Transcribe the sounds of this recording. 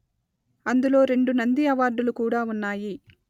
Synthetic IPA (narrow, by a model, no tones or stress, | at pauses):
ɐnd̪ulo̞ːɾe̞ɳɖunɐnd̪iɐʋaːɾɖ̪ulukuːɽaːunːaːji